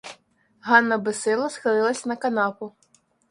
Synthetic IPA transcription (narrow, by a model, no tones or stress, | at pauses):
ɦɑnːɐbɪsɪlˠɐsxɪlˠɪlˠɐsʲɐnɐkɐnɑpʊ